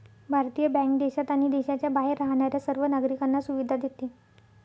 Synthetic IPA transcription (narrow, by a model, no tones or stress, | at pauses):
bʱaɾt̪ijəbɛ̃ŋk̚d̪eɕat̪aɽ̃id̪eɕat͡ɕjabaɦeɾːaɦɳ̃aɾjasəɾʋənaɡɾikanːasuʋid̪ʱad̪et̪e